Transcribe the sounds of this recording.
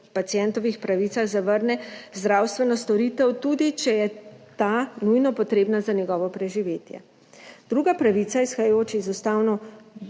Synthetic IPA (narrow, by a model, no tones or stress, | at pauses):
pat̪sijɛnt̪ɔʋixpɾaʋiːt̪saɣzaʋəɾnɛzd̪ɾawst̪ʋɛnɔst̪ɔɾit̪ɛwt̪ud̪it͡ʃɛjɛt̪anujnɔpɔt̪ɾeːbnazanjɛɡɔːʋɔpɾɛʒiʋeːt̪jɛ̰ | d̪̥ɾuːɡapɾaʋit̪saisxajoːt͡ʃɛizust̪aːwnɔ